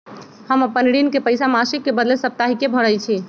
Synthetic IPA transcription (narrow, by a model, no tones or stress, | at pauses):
həməpənɽinkepəjsamasikːebəd̪lesəp̚t̪aɦikebʱəɽəjt͡ʃʰi